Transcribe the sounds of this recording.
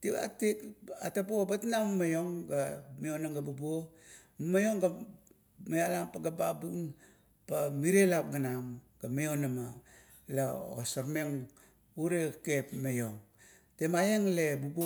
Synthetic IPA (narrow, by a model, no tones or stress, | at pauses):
tiba̰ktika̰tapobatnammajoŋɡamionaŋɡabubo | mmajo̞ŋɡa | majalampaɡababuŋ | pamiɾelap̚ɡanamɡ̥amijonama | lao̰saɾmeŋ | uɾekepmejoŋ | temajeŋlebubo